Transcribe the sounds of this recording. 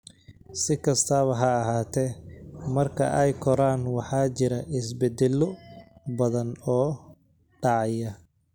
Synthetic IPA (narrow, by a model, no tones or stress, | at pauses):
sɪkʰɐst̪ʰaːβɐɦɐːɦaːt̪ʰɛːmɐrkʰɐ̰ʔɛjkʰɔɾaːnwɑħɑːt͡ʃɪɾɐʔɪs̬bɛd̪ɛlːɔbɐðɐnɔː | ɖɑʕɑjɐ